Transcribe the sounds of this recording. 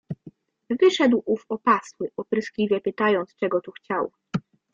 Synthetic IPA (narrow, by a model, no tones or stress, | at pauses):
vɘʂɛd̪wʔufɔpaswɘʔɔpɾɘsklʲivʲjɛpɘt̪ajɔnt̪st͡ʂɛɡɔt̪uxt͡ɕaw